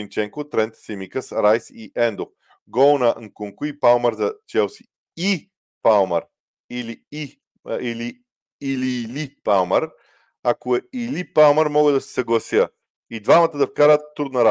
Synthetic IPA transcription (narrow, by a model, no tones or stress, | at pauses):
int͡ʃɛŋkʊt̪ɾɛnt̪sɛmikəsɾajsiʔɛnd̪o | ɡɔlˠnɐʔŋkuŋkuipalˠməɾzɐt͡ʃɛlˠsi̥ | i | palˠməɾ | ilii | iliː | lilipalˠməɾ | akoɛilipalˠməɾmɔɡəd̪ɐsɛ̥sɐɡlˠɐsjə | id̪vamɐt̪əd̪ɐfkaɾət̪ːɾud̪nɐɾa